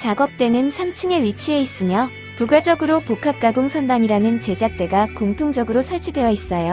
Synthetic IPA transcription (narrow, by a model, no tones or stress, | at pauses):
t͡ɕaɡʌp̚t͈e̞nɯnsʰamt͡ɕʰɯŋe̞wɥit͡ɕʰie̞is͈ɯmjʌ | puɡed͡ʑʌɡɯɾopokʰap̚k͈aɡoŋsʰʌndaɲiɾanɯnt͡ɕe̞d͡ʑak̚t͈e̞ɡakoŋtʰoŋd͡ʑʌɡɯɾosʰaɭt͡ɕʰidwe̞jʌis͈ʌjo